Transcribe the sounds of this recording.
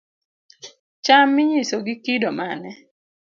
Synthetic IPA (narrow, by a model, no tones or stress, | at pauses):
t͡ʃamːɪɲisoɡikidomanɛ